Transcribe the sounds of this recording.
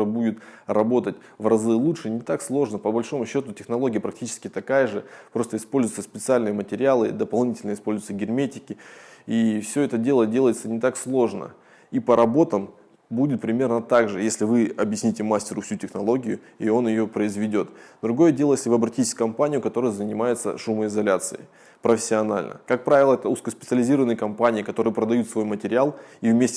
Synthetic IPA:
budʲɪt̪rɐbo̞t̪ətʲ | vrɐzɨlˠuʂɨnʲɪt̪akslˠo̞ʐnəpəbɐlʲʂo̞mʊɕːo̞t̪ʊtʲɪxnɐlˠo̞ɡʲɪjəpɾɐk̚tʲit͡ɕɪ̥skʲɪt̪ɐkajəʐɨpɾo̞st̪əɪspolʲzʊjt̪səspʲɪt̪sɨalʲnɨjəmətʲɪɾʲɪalˠɨ̰d̪əpɐlˠnʲitʲɪlʲnəɪspo̞lʲzʊjɪt̪səɡʲɪrmʲetʲɪkʲɪifsʲɵɛt̪ədʲe̞lˠədʲe̞lˠəɪt̪sənʲɪt̪akslˠo̞ʐnə̰ | ipəɾʔɐbo̞t̪əm | budʲɪt̪̚pɾʲɪmʲe̞rnət̪aɡʐɨjesʲlʲɪvɨɐbjɪsʲnʲitʲɪmasʲtʲɪɾʊfsʲutʲɪxnɐlˠo̞ɡʲɪjʊ | io̞njɪjo̞pɾəɪzvʲɪdʲo̞t̪d̪ɾʊɡo̞jədʲelˠəjesʲlʲɪvɨɐbɾɐtʲitʲɪ̥sʲkɐmpanʲɪjʊkɐt̪o̞ɾəjəzənʲɪmajɪt̪sə̰ʂuməɪzɐlʲat̪sɨ̰ɪ̰ | pɾəfʲɪ̥sʲːɪɐnalʲnə̰kak̚pɾavʲɪlˠəɛt̪əuskəspʲɪt̪sɨəlʲɪzʲiɾəvənɨjəkɐmpanʲɪːkɐt̪o̞ɾɨjəpɾəd̪ɐjut̪svo̞jmətʲɪɾʲɪalˠivmʲesʲtʲ

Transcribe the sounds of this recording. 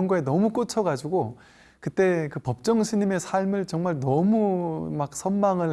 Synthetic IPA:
ŋɡoe̞nʌmuk͈ot͡ɕʰʌɡad͡ʑiɡo | kɯt͈e̞kɯpʌp̚t͡ɕ͈ʌŋɕʰiɲime̞sʰaɭmɯɭt͡ɕʌŋmaɭnʌmumak̚sʰʌnmaŋɯɭ

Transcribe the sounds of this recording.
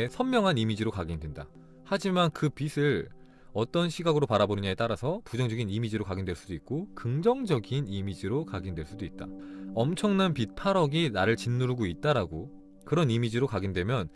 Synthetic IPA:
sʰʌnmjʌŋɦanimid͡ʑiɾokaɡindwe̞nda | had͡ʑimankɯpisʰɯɭ | ʌt͈ʌnɕʰiɡaɡɯɾopaɾabonɯɲae̞t͈aɾasʰʌpud͡ʑʌŋd͡ʑʌɡinimid͡ʑiɾokaɡindweɭs͈udoit̚k͈okɯŋd͡ʑʌŋd͡ʑʌɡinimid͡ʑiɾokaɡindwe̞ɭs͈udoit̚t͈aʌmt͡ɕʰʌŋnanpit̚pʰaɾʌɡinaɾɯɭt͡ɕinːuɾɡoit̚t͈aɾaɡo | kɯɾʌnimid͡ʑiɾokaɡindwe̞mjʌn

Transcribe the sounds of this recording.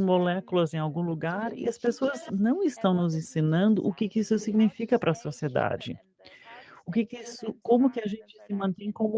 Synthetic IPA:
molɛkulɐzẽj̃awɡũluɡaɾɪ̰ɐspesoɐznɐ̃w̃ɪst̪ɐ̃w̃nʊzẽsĩnɐ̃nd̪ʊʔʊkɪkɪisʊsiɡnifikɐpɾɐsosied̪a̰d͡ʒɪ̰ | ʊkɪkɪisʊkõmʊkɪɐʒẽnt͡ʃɪ̥sɪmɐ̃nt̪ẽj̃kõmʊ

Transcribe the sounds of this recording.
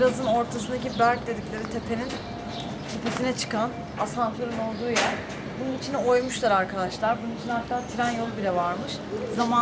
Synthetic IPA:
iɾazɯno̞ɾt̪ʰasɯnd̪acibæɾc̚d̪e̞d̪iclʲe̞ɾit̪ʰe̞pʰe̞nin | t̪ʰepʰesinɛt͡ʃʰɯ̥kʰan | asant̪ʰyɾino̞lˠd̪uːja | bununit͡ʃʰino̞jmuʃlˠaɾaɾkʰad̪aʃlˠaɾbununit͡ʃʰinaɾk̪ʰːaat̪ʰiɾænjo̞lˠbilʲɛvaɾmɯʃ | zama

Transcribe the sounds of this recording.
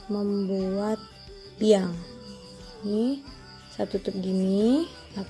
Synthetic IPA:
məmbuat̪̚ | biaŋ | ni | sat̪ut̪up̚ɡini | a

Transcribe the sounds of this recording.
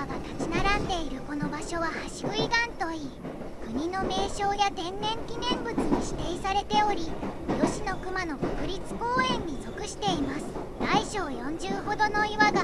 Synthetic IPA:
aɡat̪at͡ɕinaɾãnd̪e̞iɾɯ̟ko̞no̞baɕo̞βahaɕi̥ɡɯ̟iɡ̪ãnt̪o̞iː | kɯ̟ɲ̟ino̞me̞ːɕoːjat̪ẽ̞nːẽ̞ŋkʲinẽ̞mbɯ̟t͡sɨɲ̟iɕi̥t̪e̞isaɾe̞t̪e̞o̞ɾʲijo̞ɕino̞kɯ̟mano̞kokɯ̟ɾʲit͡sɨ̥ko̞ːẽ̞ɲ̟ːizo̞kɯ̟ɕi̥t̪e̞imasɨ̥ | d̪̥aiɕo̞ːjõ̞ɲ̟d͡ʑɨːɦo̞d̪o̞no̞iβaɡa

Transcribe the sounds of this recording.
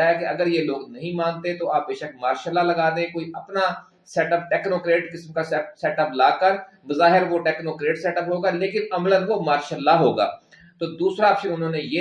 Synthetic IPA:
aɦɛːkeɐɡəɾjeːloːɡnɐɦĩːmãːnt̪et̪oaːp̚beːʃək̚maːɾʃəlːaləɡaːd̪eɛ̃koːiʔɐpnaː | sɛːʈəp̚ʈɛːknoːkɾeːʈkɪsmkasɛːʈəplaːkəɾ | bəzaːɦɪɾʋoːʈɛːknoːkɾeːʈsɛːʈəpɦoːɡaːleːkɪnɐmlənʋomaːɾʃəlːaɦoːɡa̰ː | t̪oːd̪uːsɾapʃẽʊnɦõːnejeː

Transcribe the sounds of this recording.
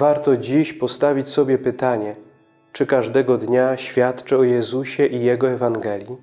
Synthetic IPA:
vaɾt̪ɔd͡ʑiɕpɔst̪avʲit͡ɕsɔbʲjɛpɘt̪aɲɛ | t͡ʂɘkaʐd̪ɛɡɔd̪ɲaɕfʲjat̪t͡ʂɛɔjɛzuɕɛʔijɛɡɔɛvaŋɡɛlʲji

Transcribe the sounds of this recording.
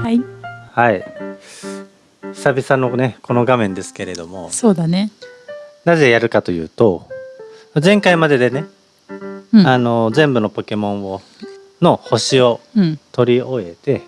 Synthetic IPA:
aihai | çi̥sabʲisanone̞kʰo̞no̞ɡamẽ̞nd̪e̞sɨ̥ke̞ɾe̞d̪o̞mo̞soːd̪ane | nazejaɾɯ̟kat̪o̞jɯ̟ːt̪o̞ | mazẽ̞ŋkaimad̪e̞d̪e̞ne̞ | ano̞zẽ̞mbɯ̟no̞po̞ke̞mõ̞ɰ̃o | no̞ho̞ɕio̞t̪o̞ɾʲio̞e̞t̪e̞

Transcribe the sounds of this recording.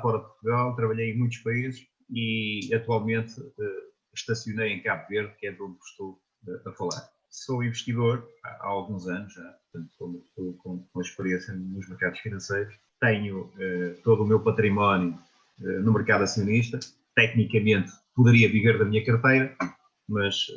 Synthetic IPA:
fɔɾɐpuɾt̪uɣalˠt̪ɾɐβɐʎejẽmũj̃t̪̬uʃpɐizɨʃ | iɐt̪walˠmẽnt̪ɛ | ʃt̪ɐsjunejẽj̃kaβuveɾðkɛðõnd̪ʃt̪o | ɐɐfɐlˠa̰ɾ | soĩvɨʃt̪iðoɾa̰aalˠɣũzanuʒʒapuɾt̪ɐ̃nt̪u̥komt̪ukõkõɐʃpɨɾiẽsjɐnuʒmɨɾkaðuʃfinɐ̃sejɾuʃ | t̪ɛɲuɛt̪oðumewpɐt̪ɾimɔnju | ɛnumɨɾkaðɐsiuniʃt̪ɐ | t̪ɛknikɐmẽnt̪ | puðɨɾiɐviveɾðɐmiɲɐkɐɾt̪ejɾɐ | mɐʃ

